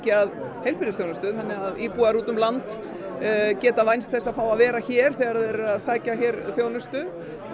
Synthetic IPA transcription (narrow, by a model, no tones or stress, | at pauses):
cɪað | hejlpɪɾɪsθjownʏst̪ʏθanːɪɣaðiːpuaɾuːt̪ʏmlant̪ | cɛːt̪avajnst̪θɛsːafaːwaðvɛːɾaçɛːɾ̥θɛɣaɾaðɛɾʏaðsaːjcaçɛɾθjownʏst̪ʏ